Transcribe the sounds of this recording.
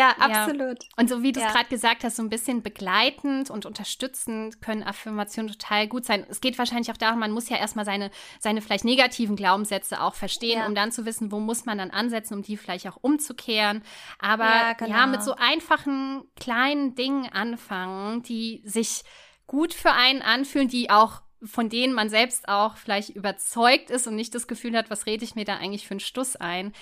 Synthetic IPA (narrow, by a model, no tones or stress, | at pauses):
jaːʔajaːsoluːtʔʊntz̥oːviːduːsɡʁaːdəɡ̥əzaːk̚thastz̥oːnbɪsçənbəɡlaɪtn̩tʊntʔʊntɐʃtʏt͡sn̩tkʰœnənʔafɪɐmat͡sjoːntʰo̥tʰaːlɡuːtz̥aɪnɛsɡ̥eːtv̥aːʃaɪnlɪçaʊxd̥aːʁʊmanmʊsjaːʔeːɐstmaːlzaɪnəz̥aɪnəfɪlaɪçtneːɡatʰiːvn̩ɡlaʊbm̩sz̥ɛt͡səʔa̰ʊxfɛɐʃteːənʊmdant͡suvɪsn̩voːmʊsmandanʔanzɛt͡sn̩ʊmdiːfɪlaɪçtaʊxʔʊmt͡sukʰeːʁənʔaːbɐjaːmɪtz̥oːʔaɪnfaχn̩kl̥aɪnəndɪŋənʔanfaŋənd̥iːzɪç | ɡ̥uːtfyːɐʔaɪnənʔanfyːləndiːʔaʊxfɔndeːnənmanzɛlpstʔaʊxfɪlaɪçtʔyːbɐt͡sɔʏk̚tɪstʊntnɪçt̚d̥asɡ̥əfyːlhatv̥asʁeːdəɪçmiːɐdaːʔaɪɡŋ̩tlɪçfyːɐnʃtʊsʔa̰ɪn